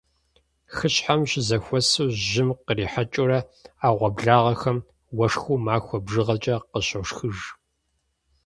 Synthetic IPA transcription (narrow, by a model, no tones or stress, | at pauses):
xɨɕħamɕɪzɐxʷɔsuwʒɪmqəriːħat͡ʃʼʊɾɐaːʁʷɐbɮaːʁɐxɐm | wɐʂxuːmaːxʷɔbʐɨʁɐt͡ʃʼɐqəɕɐʂxɨʒ